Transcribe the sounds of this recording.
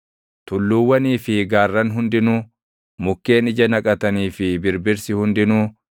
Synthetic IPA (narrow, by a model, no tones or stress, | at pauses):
t̪ʊlːuːwːɐniːfɪɡaːrːɐnɦʊnd̪ɪnuː | mʊkːe̞ːnɪd͡ʒɐnɐkʼɐt̪ɐniːfɪbɪɾbɪɾsɪhʊnd̪ɪnuː